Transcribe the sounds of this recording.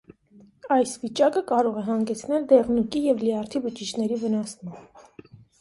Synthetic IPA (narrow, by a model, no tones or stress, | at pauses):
ɑjsvit͡ʃɑkəkɑɾɔʁɛɦɑŋɡɛt͡sʰnɛld̪ɛʁnukijɛvliɑɾt̪ʰivət͡ʃit͡ʃʰnɛɾivənɑsmɑmb